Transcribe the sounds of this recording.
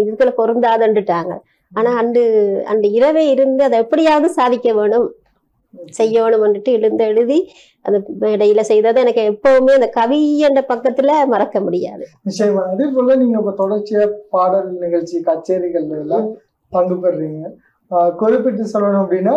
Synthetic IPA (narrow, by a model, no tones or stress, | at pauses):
ɪðɯʋkːɐɭkɔɾɯnd̪aːðɐɳɖɯʈːaːŋɡɐ̰ | aːnaːɐnɖɯɐ̰nd̪ɯɪɾɐʋeːɪɾɯnd̪ɯɐðɐɛpːɐɽɪjaːʋɐðɯsaːðɪkʲːɐʋeːɳɯm | sɛjːɐʋeːɳɯmɐnɯʈːɯɪɻɯnd̪ɐɛɻɯði | ʔɐ̰nd̪ɐmːɽɐjɪlɐsɛjðɐːðɯɛnɐkːɯɛpːɐʋɯmeːɐnd̪ɐkɐʋiɛndɐpɐkːɐt̪ːɪlɐmɐɾɐkːɐmʊɽɪja̰ːðɯnɪt͡ʃːɐjɐmaːɐðɐp̬oːlːɐniːŋɡɐɪpːɐt̪ɔɽɐɾt͡ʃɪjɐpaːɽɐlnɪɣɐɭt͡ʃːikɐt͡ʃːeːɾɪɣɐɭɐlɐ̃ | pɐŋɡɯpːɐɾɾiːŋɡɐ | kɔɾɪpːɪʈːɯsɔlːɐnʊ̃ɐpːɐɽinːaː